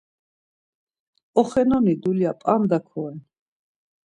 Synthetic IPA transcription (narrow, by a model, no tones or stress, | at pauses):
ɔχɛnɔnid̪uliapʼand̪akʰɔɛn